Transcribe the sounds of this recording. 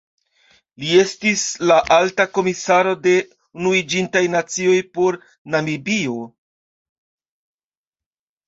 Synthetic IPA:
lie̞stislaʔaltako̞misaɾo̞de̞ | unuid͡ʒintajnat͡sio̞jpo̞ɾ | namibio̞

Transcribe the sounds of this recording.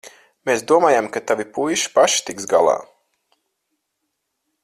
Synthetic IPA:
meːsd̪uɔmaːjamkat̪avipujʃi̥paʃi̥t̪iksɡa̰lˠɑ̰ː

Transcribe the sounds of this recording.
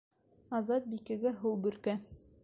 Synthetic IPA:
ɑzɑt̪̚bikɘ̆ɡæɦɤwˠbɵ̆ɾkæ

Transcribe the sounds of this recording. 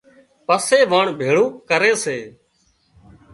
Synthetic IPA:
pəseːʋaːɳbʱeːɭũːkəɾeːseː

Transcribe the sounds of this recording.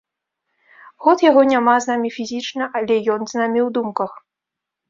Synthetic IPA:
ɣɔt̪jaɣɔnʲamaznamʲifʲizʲit͡ʂnɐʔalʲɛjɔnznamʲiwd̪umkɐx

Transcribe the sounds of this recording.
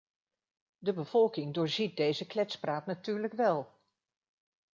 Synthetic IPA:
dəbəv̥ɔlˠkɪŋdʊːɹzit̚dejzəklɛtspraːtnatyːɹləkʋɛlˠ

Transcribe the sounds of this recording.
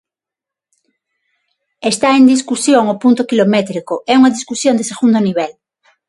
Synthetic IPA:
est̪aend̪iskusjoŋopunt̪okilomet̪ɾikoʔɛuŋaðiskusjond̪eseɣund̪oniβ̞el

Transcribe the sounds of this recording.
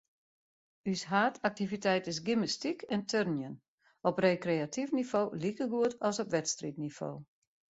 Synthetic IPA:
ysɦaːtʰak̚tivitɛjtɪs̬ɡiməstikʰɛntʰørnjən | ɔpreːkreatʰifnifoːlikəɡuətɔsɔpʋɛtstritnifo̰ː

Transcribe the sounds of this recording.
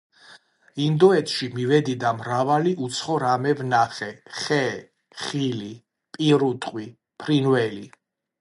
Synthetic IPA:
ind̪ɔɛt̪ʰʃimivɛd̪id̪amɾavaliʔut̪sʰχɔɾamɛvnaχɛχɛ | χili | pʼiɾut̪ʼqʼwi | pʰɾinvɛli

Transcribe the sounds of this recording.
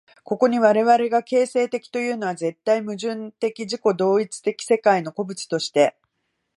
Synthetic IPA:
ko̞ko̞ɲ̟iβaɾe̞βaɾe̞ɡake̞ːse̞ːt̪e̞kʲi̥t̪o̞jɯ̟ːno̞βaze̞t̪ːaimɯ̟ʑɨ̃nt̪e̞kʲiʑiko̞d̪o̞ːit͡sɨ̥t̪e̞kʲi̥se̞kaino̞ko̞bɯ̟t͡ɕi̥t̪o̞ɕi̥t̪e̞

